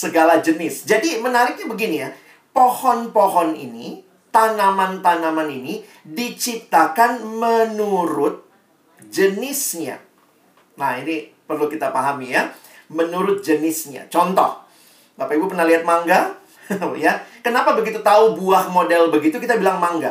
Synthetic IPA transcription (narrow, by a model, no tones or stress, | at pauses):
səɡalad͡ʒənɪsd͡ʒadimənaɾɪk̚ɲabəɡinija | pohɔnpɔɦɔnḭni | t̪anamant̪anamanini | dit͡ʃip̚t̪akanmənuɾʊt̪̚ | d͡ʒənɪsɲa̰ | nahini | pərlukit̪apaɦamija | mənuɾʊt̪̚d͡ʒənɪsɲa̰t͡ʃɔnt̪ɔ̰h | bapaibupənaliɦat̪̚maŋɡa | jakənapabəɡit̪ut̪aubuahmodɛlbəɡit̪ukit̪abilaŋmaŋɡa̰